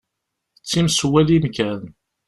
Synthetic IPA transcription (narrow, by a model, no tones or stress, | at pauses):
ət͡sːimswælimkæn